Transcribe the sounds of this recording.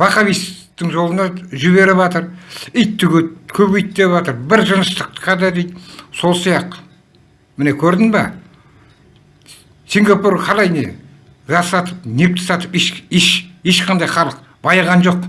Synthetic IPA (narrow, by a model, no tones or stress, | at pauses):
bɑqɑβist̪ɪŋʒo̞lˠənɑʒɪβe̞ɾɪbɑt̪əɾɪjt̪ːɪɡʲekʲʰɵbʏjt̪ːeβɑt̪əɾbɪɾʒənəʃt̪əq̪̚qʰɑd̪ɑd̪ejt̪so̞lˠsijɑqə | mɪnekʲʰɵɾd̪ɪŋbɑ̰ | sʲiŋɡapurqʰɑlˠɑjnḛ | ʒɑsɑt̪əp̚nep̚t̪ɪ̥sɑt̪əpeʃeʃe̞ʃqʰɑnd̪ɑjχɑlˠəq̚ | bɑjʁɑnʒo̞q̚